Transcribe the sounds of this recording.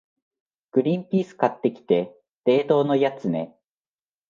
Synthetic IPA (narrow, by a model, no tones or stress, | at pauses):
ɡ̥ɯ̟ɾʲĩmpʲiːsɨ̥kat̪ːe̞kʲi̥t̪e̞ | d̪̥e̞ːt̪o̞ːno̞jat͡sɨne̞̰